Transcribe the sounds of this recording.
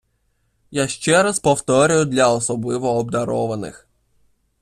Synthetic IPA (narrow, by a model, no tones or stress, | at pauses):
jaʃt͡ʃɛɾɐspɔwt̪ɔɾʲʊjʊd̪lʲɐɔsɔblˠɪʋɔːb̚d̪ɐɾɔʋɐnɪ̰x